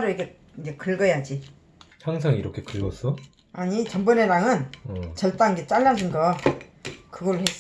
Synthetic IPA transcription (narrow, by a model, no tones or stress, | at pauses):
ɾɯjike | ind͡ʑe̞kɯɭɡʌjad͡ʑi | t͡ɕʰaŋs̬ʰaŋiɾʌkʰe̞kɯɭɡʌs͈ʰʌ | aɲit͡ɕʌmbɯne̞ɾaŋɯnt͡ɕʌɭt͈aŋiɡet͡ɕ͈aʎːad͡ʑʰɯnɡʌ | kɯɡʌɾɯɭhes͈